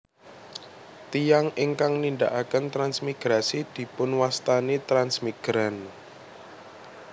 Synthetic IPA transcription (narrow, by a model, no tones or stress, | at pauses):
t̪ijaŋɪŋkaŋnind̪a̰ʔakənt̪ɾansmiɡ̥ɾasid̪̥i̤pʊnwast̪anit̪ɾansmiɡ̥ɾan